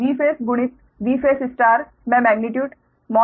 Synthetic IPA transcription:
iːfeːsɡʊɳ̃ɪt | ʋiːfeːsɪsʈaːɾ | mɛːmɛːɡ̚nɪʈjuːɖ | mɔː

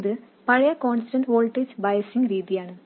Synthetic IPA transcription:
ðɨ | pɐɻɐjɐko̞ːnstɐnɖʋoːlʈːeːd͡ʑbɐjɐsiŋɡɾiːðijaːɳɨ

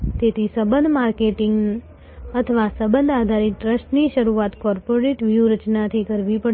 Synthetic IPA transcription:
t̪et̪ʰisəbənd̪ʱmaɾkeʈɪŋɡ | ət̪ʰəʋasəbənd̪ʱad̪ʱaɾiʈɾəʃʈniʃəɾuat̪kɔɾpoɾeʈʋjuɾət͡ʃnat̪ʰikəɾʋipə

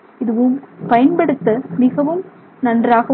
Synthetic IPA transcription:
ɪðɯʋɯmpɐjɐnpɐɽɯt̪ːɐmɪɣɐʋɯm | nɐndraːɣɐ

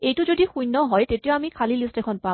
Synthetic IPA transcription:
ejtʊzodixujnːɔɦɔjtetijoamikʰalilistɛkʰɔnpa

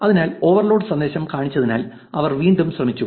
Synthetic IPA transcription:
ɐðinaːlo̞ːʋɐrloːɖɨsɐnd̪e̞ːɕɐmkaːɳit͡ɕːɐðina̰ːl | ɐʋɐrʋiːɳɖumɕrɐmit͡ɕːu

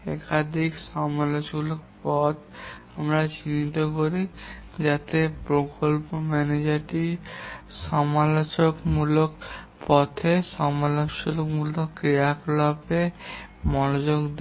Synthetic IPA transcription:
ɛ̰kad̪ʱikʃɔmalot͡ɕulokpɔt̪ | amɾat͡ɕinit̪okoɾid͡ʑat̪epɾokolpomɛned͡ʑaɾʈi | ʃɔmalot͡ɕokmulok | pɔt̪ʰeʃɔmalot͡ɕolokmulokkːɾiaklɔpemɔnod͡ʑoɡd̪

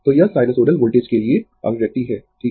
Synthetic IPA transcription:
t̪oːjasaːɪnəsoːɾəlʋoːlʈeːd͡ʒkelie | ɐ̰ɡɾɛk̚t̪iɦɛːʈʰiː

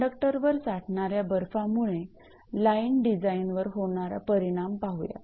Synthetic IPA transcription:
ɖək̚ʈəɾʋəɾt͡saʈɳaɾjabəɾfamuɭ̃e | lainɖid͡zainʋəɾɦoɳ̃aɾa̰pəɾiɽ̃ampaɦuja̰

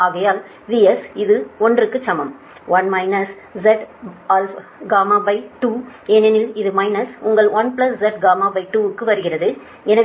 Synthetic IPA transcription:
aːɣɐjaːl | ʋiɛsɪðɯɔndrɯkːɯt͡ʃːɐmɐm | ʋɐnmɐɪnɐs | d͡ʒɛʈalfɡaːmaːbɐɪʈuːeːnɛnɪlɪðɯmɐɪnɐsʊŋɡɐɭʋɐnpɪlɐsd͡ʒɛʈ̚ɡaːmaːbɐɪʈuːɯkːɯʋɐɾɯɣɪrɐðɯ | ɛnɐ

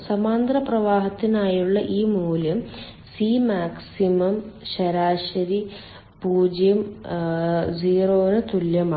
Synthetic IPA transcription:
sɐmaːnd̪rɐprɐʋaːɦɐt̪ːinaːjuɭːɐʔiːmuːljɐm | siːmaːksimɐmɕɐɾaːɕɐɾi | puːd͡ʑjɐm | d͡ʑiːroːnɨt̪uljɐma

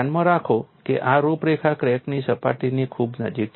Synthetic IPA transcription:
nmə̃ɾakʰokḛʔaɾupɾekʰakɾɛknisəpa̰ʈinikʰubnə̰d͡ʒik̚

